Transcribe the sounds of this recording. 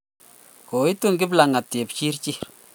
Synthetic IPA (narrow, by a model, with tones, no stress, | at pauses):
ko˨i˦tu˦˨ŋɡɪ˦bla˨ŋa˨tːe˨pt͡ʃi˦ɾt͡ʃi˦